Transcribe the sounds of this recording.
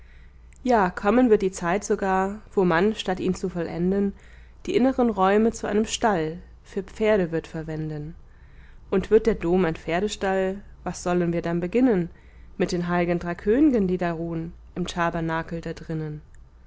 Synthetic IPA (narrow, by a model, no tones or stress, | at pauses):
jaːkʰɔmənvɪɐt̚d̥iːt͡saɪtz̥oɡaːɐv̥oːmanʃtatʔiːnt͡sufɔlʔɛ̰ndən | d̥iːʔɪnəʁənʁɔʏmət͡suʔa̰ɪnəmʃtal | fyːɐp͡feːɐɾəvɪɐtfɛɐvɛndən | ʔʊntv̥ɪɐt̚d̥eːɐdoːmaɪnfeːɐɾəʃtalvasz̥ɔlənviːɐdanbəɡɪnən | mɪt̚d̥eːnɦaɪɡəndʁaɪkʰøːnɪɡəndiːdaːʁuːənʔɪmtʰabɐnaːkl̩daːdʁɪnən